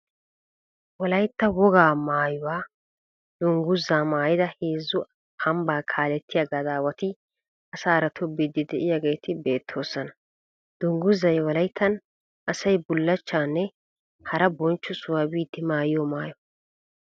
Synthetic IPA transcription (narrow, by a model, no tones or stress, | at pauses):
wɔlɐjt̪ːɐwɔɡaːmaːjʊwaː | d̪̥ʊŋɡʊzːaːmaːjɪd̪ɐheːzːʊ | hɐmbaːkʰaːlɛt̪ʰːɪjɐɡɐd̪aːwɐt̪ɪ | ɐsaːɾɐt̪ʰɔbid̪ɪd̪ɛʔɪjaɡe̞jt̪ʰɪbe̞ːt̪ʰːo̞ːsɐnɐ | d̪̥ʊŋɡʊzːɐjwɐlɐjt̪ʰːɐn | ʔɐsɐjbʊlːɐt͡ʃːaːnːɛ | hɐɾɐbɔnt͡ʃːʊsʊwabiːd̪ɪmaːjɪjɔmaːjɔ